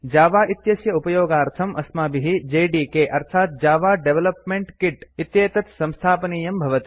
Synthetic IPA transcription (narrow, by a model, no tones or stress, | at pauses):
d͡ʒaːʋaːʔit̪jɐsjɐupɐjoːɡaːɾt̪ʰɐmʔɐsmaːbiɦid͡ʒeːɖiːkeːʔɐɾt̪ʰaːt̪̚d͡ʒaːʋaːɖeʋelɐpmeɳʈkiʈit̪jeːt̪ɐt̪sɐ̃mst̪ʰaːpɐniːjɐmbʱɐʋɐt̪i̥